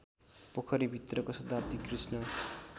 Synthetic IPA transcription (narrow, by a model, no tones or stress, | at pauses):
pokʰʌɾibʱit̪rʌkosʌt̪ap̚t̪ikrisnʌ